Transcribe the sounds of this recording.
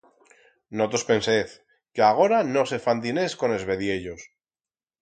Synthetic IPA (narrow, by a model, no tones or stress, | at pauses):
no̞t̪ospe̞nseθ | keaɣ̞o̞ɾano̞se̞fant̪ine̞sko̞ne̞zβe̞ðje̞ʎo̞s